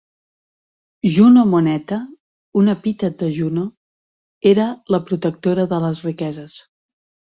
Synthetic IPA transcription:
ʒunomunɛt̪ə | unəpit̪əd̪əʒuno | eɾələpɾut̪ək̚t̪oɾəðələzrikɛzəs

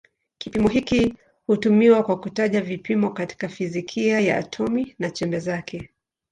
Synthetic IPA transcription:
kipimɔɦiki | hutumiwakwakutaʄavipimɔkati̥kafizikʰiaja̰a̰tʰɔminat͡ʃɛmbɛzakʰɛ

